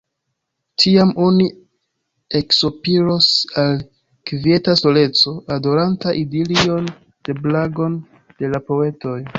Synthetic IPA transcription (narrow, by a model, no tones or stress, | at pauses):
tʰiamʔo̞ni | e̞kso̞piɾo̞sal | kvie̞taso̞le̞t͡so̞ʔado̞ɾantaʔidelio̞n | d̥e̞blaɡo̞n | d̥e̞lapo̞e̞to̞j